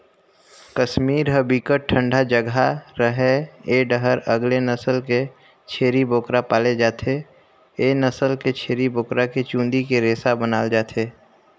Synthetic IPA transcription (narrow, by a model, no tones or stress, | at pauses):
kəʃmiːɾɦəbiːkəʈʰə̃ɳɖʱad͡ʒəɡʱaɾəɦeeːɖəɦəɾəɡlenəsəlke | t͡ʃʰeːɾiboːkɾapaːled͡ʒaːt̪ʰe | eːnəsəlket͡ʃʰeːɾiboːkɾaket͡ʃũːnd̪ikeɾeːsabənaːld͡ʒaːt̪ʰeː